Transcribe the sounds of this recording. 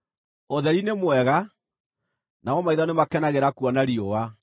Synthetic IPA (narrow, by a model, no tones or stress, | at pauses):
oðɛɾinemwɛɣa | naɔmaiðanemakɛnaɣeɾakuɔnaɾiowa